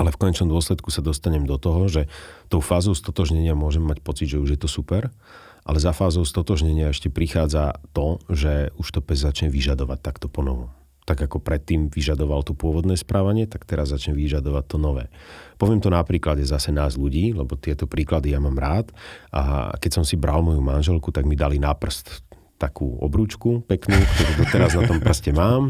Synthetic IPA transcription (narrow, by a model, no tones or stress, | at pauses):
alɛfkɔɲɛt͡ʃnɔmd̪ʊɔslɛt̪kusad̪ɔst̪aɲɛmd̪ɔt̪ɔɦɔʒɛt̪ɔʊfaːzɔʊst̪ɔt̪ɔʒɲɛɲɪamʊɔʒɛmːacpɔt͡sid̪ʒɛuʒjɛt̪ɔsupɛɾ | ʔa̰lɛzafaːzɔʊst̪ɔt̪ɔʒɲɛɲɪaɛʃcɛpɾixaːd͡zat̪ɔʒɛuʃt̪ɔpɛzzat͡ʃɲɛʋiʒad̪ɔʋac̚t̪ːakt̪ɔpɔnɔʋɔ | t̪aɡakɔpɾɛt̪ːiːmʋiʒad̪ɔʋalt̪ɔpʊɔʋɔd̪nɛːspɾaːʋaɲɪɛt̪akt̪ɛɾazːat͡ʃɲɛʋiʒad̪ɔʋac̚t̪ɔnɔʋɛ̰ːpɔʋɪɛmt̪ɔnapɾiːkladɛzasɛnaːzʎuɟiːlɛbɔt̪ɪɛt̪ɔpɾiːklad̪ijamaːmɾaːt̪ʔa̰kɛsɔmsibɾalmɔjumanʒɛlkut̪aɡmid̪alinapr̩st̪ | t̪akʰuːɔ̰bɾuːt͡ʃkupɛknuːkt̪ɔɾuːd̪ɔt̪ɛɾaznat̪ɔmpr̩scɛmaːm